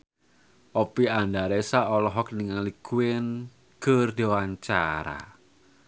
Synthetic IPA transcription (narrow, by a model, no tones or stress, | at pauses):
ʔɔpiandaɾesaɔlɔɦɔk̚niŋaŋlikuɪn | kərd̪ewaɲt͡ʃa̰ɾa̰